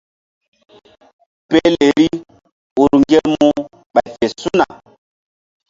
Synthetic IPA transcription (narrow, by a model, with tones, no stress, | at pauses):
pɛ˦le˨ɾi˦ | o˨ɾu˨ŋɡɛ˦mu˦ | ɓa˨fɛ˨su˦na˨